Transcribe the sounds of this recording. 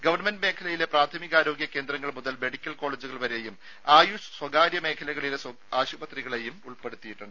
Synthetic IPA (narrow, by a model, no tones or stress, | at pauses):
ɡɐʋɐrɳmendme̞ːkʰɐlɐjile̞praːt̪ʰɐmiɣaːɾo̞ːɡjɐke̞ːnd̪ɾɐŋːɐɭmuðɐlme̞ɽikʲːɐlko̞ːɭeːd͡ʑuɣɐɭʋɐɾe̞jum | aːjuʂswɐɡaːɾjɐme̞ːkʰɐlɐɣɐɭiles | aːɕubɐt̪riɣɐɭejumuɭpeɽut̪ːijiʈːuɳɖɨ